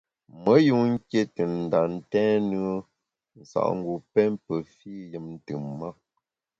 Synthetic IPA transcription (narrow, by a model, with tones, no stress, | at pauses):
mə˨˦ju˦˨ŋ̩˦kje˦tɨ˨n̩˨da˨n̩˦tɛ̃˦nɯ˦ə˦ | n̩˨sa̰˨ʔŋ̩˦ɡu˨pɛ˦mpə˨fi˦jɨ˨mn̩˦tɨ˨mːa˦